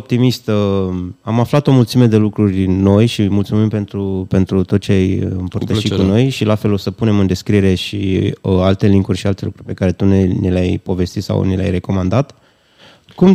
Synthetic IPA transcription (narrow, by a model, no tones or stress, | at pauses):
op̚t̪imist̪ | amaflat̪o̞mult̪sime̞d̪e̞lukɾurʲno̞jʃimult̪sumimpe̞nt̪ɾupe̞nt̪ɾut̪ot͡ʃeajɨmpərt̪əʃit̪kuno̞jʃilafe̞lo̞səpune̞mɨnd̪e̞skɾije̞ɾe̞ʃialt̪e̞liŋkurʲʃialt̪e̞lukɾurʲpe̞kaɾe̞t̪unenelajpo̞ve̞st̪it̪sa̰wnela̰jre̞ko̞mand̪at̪ | kum